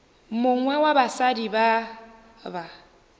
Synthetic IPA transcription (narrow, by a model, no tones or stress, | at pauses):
mʊŋwɛwabasadiba | ba